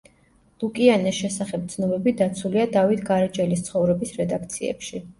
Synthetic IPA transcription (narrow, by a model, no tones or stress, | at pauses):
l̥ukʼianɛsʃɛsaχɛp̚t̪sʰnɔbɛbid̪at̪sʰuliad̪avit̪ʰɡaɾɛt͡ʃʼɛlist̪sʰχɔvɾɛbisɾɛd̪akʰt̪sʰiɛ̰pʃi